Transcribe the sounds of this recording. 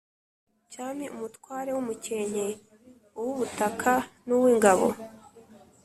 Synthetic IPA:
t͡ʃaːmiʔumutkwaːɾe̞wumuceɲ̥e | uwuβutakʰanuwiːŋɡaβo̰

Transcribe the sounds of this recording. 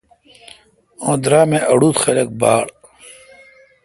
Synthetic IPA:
õːd̪ɾaːmẽʔɐɽuːt̪xelek̚baːɽ

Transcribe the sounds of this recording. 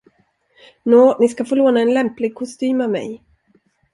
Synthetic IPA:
noːnɪskafoːloːnaɛnlɛmplɪɡ̚kʰʊst̪yːmavmɛ̰j

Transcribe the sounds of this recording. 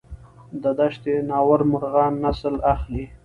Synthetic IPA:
d̪əd̪aʃt̪enɑwaɾmʊɾɣɑnːasəlaxli

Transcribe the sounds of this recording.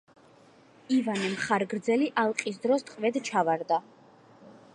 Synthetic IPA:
ivanɛmχaɾɡɾd̪zɛliʔalˠqʼis̬d̪ɾɔst̪ʼqʼvɛd̪t͡ʃʰavaɾd̪a

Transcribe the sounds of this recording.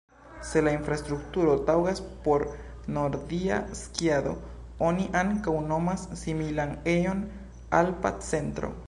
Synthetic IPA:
se̞lainfɾast̪ɾuk̚tuɾo̞tawɡaspo̞ɾ | noɾd̪ia̰skjad̪o̞̰ | oniʔaŋkawno̞masːimilanejo̞n | alpa̰t͡se̞nt̪ɾo̰

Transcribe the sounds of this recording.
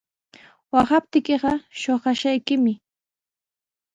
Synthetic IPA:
wɑχɑp̚t̪ɪkɪɢɑʃoɢɑʃajkɪmɪ

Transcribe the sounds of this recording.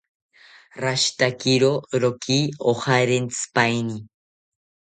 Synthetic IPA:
ɾaʃt̪akiɾoɾokʰiːoχaɾent͡spajni

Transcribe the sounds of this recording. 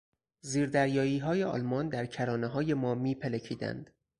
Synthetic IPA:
ziːɾd̪æɾjɒːiːɦɒːjeɒ̰ːlmɒːnd̪æɾcʰæɾɒːneɦɒːje̞mɒːmiːpʰelecʰiːd̪æ̰nd̪̥

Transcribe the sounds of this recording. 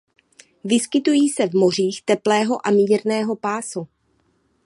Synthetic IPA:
vɪskɪt̪ujiːsɛvmo̞r̝iːxt̪ɛplɛːɦo̞ʔamiːɾnɛːɦo̞paːsu

